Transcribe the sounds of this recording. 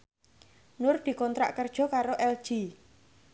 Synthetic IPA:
nʊrd̪̥i̤kɔnt̪ɾa̰ʔkərd̥ʒ̥ɔ̤kaɾoʔɛld̥ʒ̥i

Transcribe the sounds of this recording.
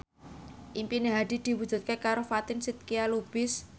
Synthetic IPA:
ʔimpineɦad̪̥i̤d̪̥i̤wu̥d͡ʒʒ̥ṳt̪̚kekaɾofat̪ɪnsɪt̪̚kialub̥ɪs

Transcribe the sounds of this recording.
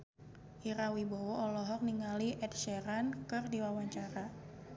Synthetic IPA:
ʔiɾawibowɔɔlɔɦɔk̚niŋaliʔɛt̪̚ʃɛɾankɨrdiwawaɲt͡ʃaɾa

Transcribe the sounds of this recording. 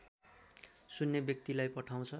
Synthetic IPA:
sunːebjʌk̚t̪ilajpʌʈʰaw̃t͡sʰʌ

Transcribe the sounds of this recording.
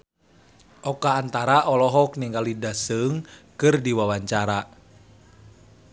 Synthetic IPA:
ʔɔkaːnt̪aɾaʔɔlɔɦɔkniŋɡalidasɨŋkɨrdiwawaɲt͡ʃaɾa

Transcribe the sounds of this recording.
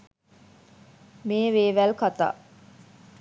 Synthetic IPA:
meːʋeːʋælkat̪a̰ː

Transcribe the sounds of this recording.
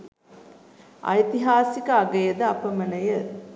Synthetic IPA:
ʔɐ̰jt̪iɦaːsikɐɐɡɐjɐd̪ɐɐpɐmɐnɐjɐ

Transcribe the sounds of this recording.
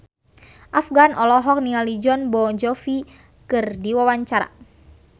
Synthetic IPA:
ʔafɡanʔɔlɔɦɔk̚nialid͡ʒɔnbɔd͡ʒɔfi | kɨrdiwawaɲt͡ʃaɾa̰

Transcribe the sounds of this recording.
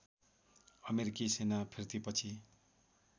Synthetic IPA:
ʌmeɾikisenapʰirt̪ipʌt͡sʰi

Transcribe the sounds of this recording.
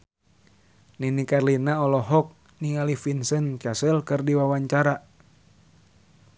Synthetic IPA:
ninikarlinaɔlɔɦɔk̚ | niŋalifinsənt͡ʃasəlkɨrdiwawaɲt͡ʃaɾa

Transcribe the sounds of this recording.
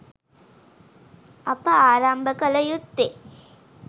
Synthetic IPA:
ɐpəaːɾambəkɐlɐjut̪ːe

